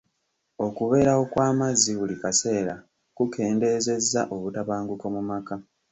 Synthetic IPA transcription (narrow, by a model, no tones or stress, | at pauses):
o̞kuβe̞ːɾao̞kwaːmazːiβulikase̞ːɾa | kuke̞ːnde̞ze̞zːaʔo̞βutaβaːŋɡuko̞mumaka